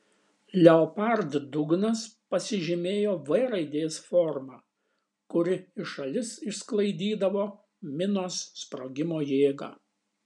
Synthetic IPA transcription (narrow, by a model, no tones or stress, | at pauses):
lʲɛɔpɐɾd̪d̪ʊɡnɐspɐsʲɪʒʲɪmʲeːjoːʋɐɪɾɐɪd̪ʲeːsfɔɾmɑː | kʊɾʲɪɪʃɐlʲɪsɪʃsklˠɐɪd̪ʲiːd̪ɐʋoː | mʲɪnoːsːpɾoːɡʲɪmoːjeːɡɑ̰ː